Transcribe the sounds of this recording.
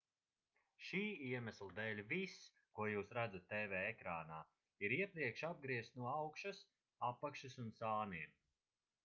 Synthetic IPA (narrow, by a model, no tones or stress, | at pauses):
ʃiːiɛmæslˠd̪ɛːlʲvis | kuɔjuːsɾad̪zat̪ːeːvɛːekɾaːnaː | iɾiɛpɾiɛkʃab̚ɡɾiɛst̪nuɔawkʃas | apːakʃasunsaːniɛm